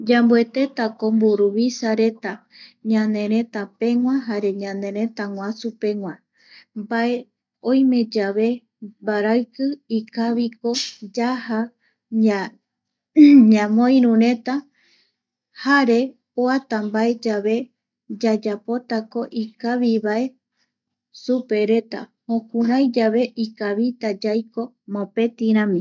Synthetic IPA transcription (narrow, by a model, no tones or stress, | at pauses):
d͡ʒambue̞t̪e̞t̪ako̞mbuɾuβisaɾe̞t̪a | ɲãnẽ̞ɾ̃ẽ̞t̪apẽ̞ŋw̃ʷãɦaɾe̞ɲãnẽ̞ɾẽ̞t̪aŋwʷãsupe̞ŋwʷã | mbae̞ | õjmẽ̞d͡ʒaβe̞ | mbaɾaɨkɨikaβiko̞d͡ʒaha | ɲãmõj̃ɾũɾe̞t̪a | haɾe̞ | oat̪ambae̞d͡ʒaβe̞ | d͡ʒad͡ʒapo̞t̪ako̞ʔikaβiβae̞ | supe̞ɾe̞t̪a̰hõkũɾãjd͡ʒaβe̞ʔikaβit̪ad͡ʒajko̞ | mõpe̞t̪iɾ̃ãmĩ